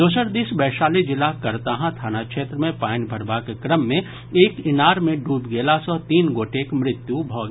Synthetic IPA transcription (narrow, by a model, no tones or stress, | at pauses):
d̪oːsəɾd̪isbɛːʃaːled͡ʒɪlakɐɾt̪aɦãt̪ʰaːnakʃeːt̪ɾəmẽpaːnbʱəɾbaːkekɾəmːẽ | eːkɪnaːɾmẽɖuːbɡeːlasɔt̪iːnɡoːʈekmɾɪt̪jubʱɔːɡ